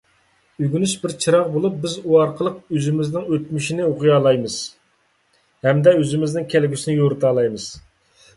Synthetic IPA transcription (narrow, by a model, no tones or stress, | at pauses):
yɡʲynyʃbɪɾt͡ʃʰiɾɑʁbolˠup̚bɪzuɑɾqʰəlˠəqøzɪmɪznɪŋøt̪̚myʃinɪoqʰʊjɑːlˠɑjmɨz̥ | hɛmd̪ɛøzɪmɪznɪŋkʲʰɛlɡʲysɪnɪjoɾɨt̪ɑːlˠɑjmɨz̥